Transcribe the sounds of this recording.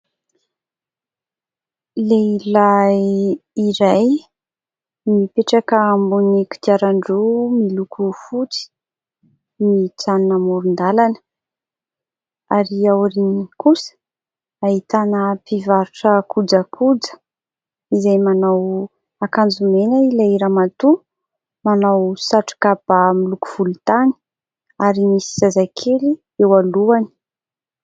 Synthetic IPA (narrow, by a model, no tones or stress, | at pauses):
leila | iɾaj | mipeʈ͡ʂakəːmbuniki̥t̪iaɾaɳɖ͡ʐumilukʰufut͡si̥ | mit͡sannamuɾund̪alanə̥ | aɾiauɾinikusə̥ | aɦit̪anəpivaɾuʈ͡ʂəkud͡zəkʰud͡zə̥ | izajmanaw | akand͡zumenailaiɾamat̪u | manawsaʈ͡ʂu̥kabamilukuv̥ulut̪ani̥ | aɾimisi̥z̥azakʰeli | ewaluani̥